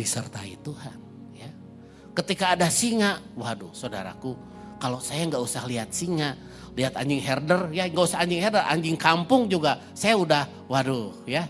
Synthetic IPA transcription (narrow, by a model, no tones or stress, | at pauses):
disərt̪a̰ḭt̪uhan | ja | kət̪ikaːdasiŋaʔwadusada̰ɾa̰ku | kalosajaŋɡausahliat̪̚siŋaʔ | liɦat̪aɲd͡ʒɪŋɦɛrdərjaŋɡausahaɲd͡ʒɪŋhɛrdərʔa̰ɲd͡ʒɪŋkampʊŋd͡ʒuɡa | sajaudah | wadoja